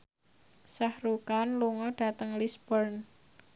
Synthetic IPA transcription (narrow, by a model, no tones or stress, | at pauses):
sahɾukanluŋɔɖ̥a̤t̪əŋlisb̥ərn